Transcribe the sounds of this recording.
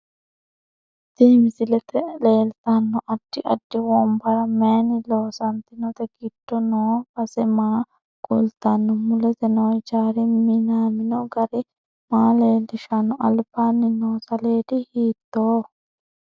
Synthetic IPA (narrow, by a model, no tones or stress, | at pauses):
d̪̥iːmɪsɪlɛt̪ɛleːlt̪ɐnːɔʔɐd̥ːɪʔɐdːɪwɔmbɐɾɐmeːnɪloːsɐnt̪ɪnɔt̪ɛɡɪd̥ːɔnoːbɐsɛmaː | ɡʊlt̪ɐnːɔmʊlɛt̪ɛnɔwd͡ʒaːɾɪmɪnaːmɪnɔɡɐɾɪ | maːleːd̪ɪʃɐnːɔʔɐlbaːnːɪnoːsɐle̞ːd̪ɪhiːt̪ːoː